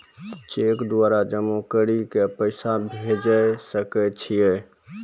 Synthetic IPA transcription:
t͡ʃekd̪waɾad͡ʒəmokəɾikepəɪsabʱed͡ʒəjsəkɛt͡ʃʰije

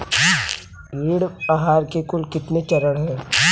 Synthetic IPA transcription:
iːɽaɦaːɾkekʊlkɪt̪net͡ʃɐɾəɽɦɛ̃ː

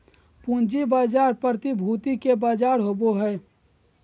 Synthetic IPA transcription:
pũnd͡ʒibaːd͡ʒaːɾpəɾt̪ibʱuːt̪ikebaːd͡ʒaːɾɦoːboɦɛː

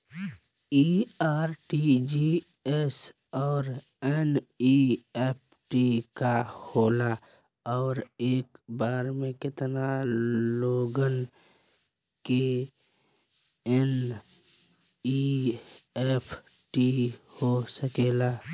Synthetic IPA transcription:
iaːɾʈid͡ʒi | es | ɔːɾ | ɛniep̚ʰʈikahoːla | ɔːɾeːkbaːɾmẽkɪt̪naloːɡən | ke | ɛn | i | epʰ | ʈihosəkeːlaː

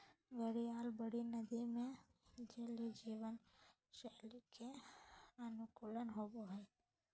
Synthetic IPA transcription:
ɡəɽiaːlbəɽinəd̪imẽd͡ʒelid͡ʒiːʋən | ʃɛːlikʰe | ənukuːlənɦoboɦə

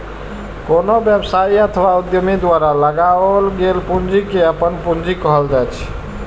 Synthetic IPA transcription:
konobjəbsaiət̪ʰwaud̪jomid̪waɾaləɡalɡelpund͡ʒikeəpənpund͡ʒikəɦəld͡ʒajt͡ʃʰ

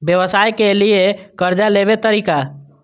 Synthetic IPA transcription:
bjəʋəsaːjkeliekəɾd͡ʒaleʋet̪əɾiːka

